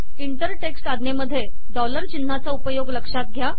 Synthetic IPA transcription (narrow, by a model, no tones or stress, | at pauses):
iɳʈəɾʈeksʈad̪neməd̪ʱːje | ɖɔləɾt͡ɕinːat͡saupəjoɡləkʂat̪̚ɡʱja